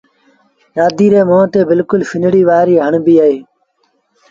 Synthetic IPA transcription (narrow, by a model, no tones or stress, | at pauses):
jaːd̪iːɾeːmõːt̪eːbɪlkʊlfʰɪnɽiːʋaːɾiːɦəɳbiːaːɦeː